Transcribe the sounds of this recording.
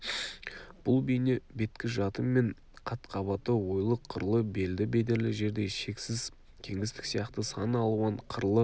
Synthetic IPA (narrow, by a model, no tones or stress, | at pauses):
b̥ʊlˠbejnebe̞t̪kʲɪʒɑt̪əmːe̞ɴ | qʰɑt̪qʰɑβɑt̪əwo̞jlˠəqʰːəɾlˠəbe̞ld̪ɪbe̞d̪e̞ɾlɪʒe̞ɾd̪e̞ʃe̞ksɪz | kʲʰe̞ŋɡʲɪst̪ɪ̥ksijɑqt̪əsɑnəɑlˠuɑɴqʰəɾlˠə